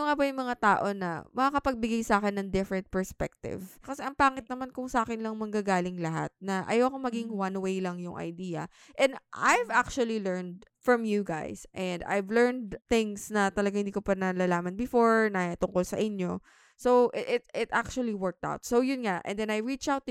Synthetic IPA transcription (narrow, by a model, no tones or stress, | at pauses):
ŋabɐjʊŋmɐŋat̪aːʔo̞nɐ̰mɐŋakɐpɐɡ̚bɪɡajsaːkɛnːɐŋd̪ɪfɹɛnt̪̚pɛɹspɛ̰k̚t̪ɪ̰vkɐsɛʔɐŋpaːŋɪt̪nɐmankʊŋsɐʔaːkɪnlɐŋmɐŋɡaɡaːlɪŋlɐɦa̰t̪̚nɐʔɐ̰jawɐkomɐɡiŋwɐnwejlɐŋjʊŋʔɐ̰jd̪iːɐ̰ | ʔɛ̃nd̪ʔajvak̚t͡ʃuɐlilɛɹnd̪̚fɹɐmjuɡa̰jsʔɛnd̪a̰jvlɛɹnd̪θɪ̃ŋsnɐt̪ɐlɐɡaŋhɪnd̪iːkopɐnɐlaːlaːmɐnbɪfoɹnɐt̪ʊŋkolsɐ̰ʔɪɲjo̞ | sowʔʔɪt̪ɪt̪ʔak̚t͡ʃuɐliwɛɹk̚t̪a̰wt̪̚sowjʊnŋaʔɛ̰̃nd̪ɛ̃nɐjɹit͡ʃawt̪ː